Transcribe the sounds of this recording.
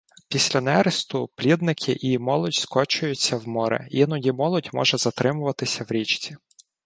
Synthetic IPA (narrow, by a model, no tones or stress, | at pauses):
pʲisʲlʲɐnɛɾɪst̪ʊplʲid̪nɪkʰɪʔimɔlˠɔdʲskɔt͡ʃʊjʊt͡sʲːɐwmɔɾɛ̰jinʊjimɔlˠɔdʲmɔ̰ʒɛzɐt̪ɾɪmʊʋɐt̪ɪsʲɐwɾʲit͡ʃt͡sʲi